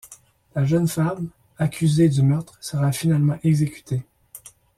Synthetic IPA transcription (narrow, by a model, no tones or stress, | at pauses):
laʒənfam | akʲʰyzed̪əmœʁt̪χsəʁafinalmɑ̃ʔɛɡzekʲy̥t̪ʰe